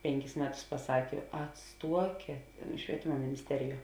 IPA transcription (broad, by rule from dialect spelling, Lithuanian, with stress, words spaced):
ˈpʲɛŋʲˌkʲɪs ˈmʲæːˌtʊs pɐˈsɑːkʲeː ɐtˈstuɔkʲeːt ʃʲʋʲiɛˈtʲɪmɐ mʲɪnʲɪsʲˈtʲæːrʲɪˌjuɔ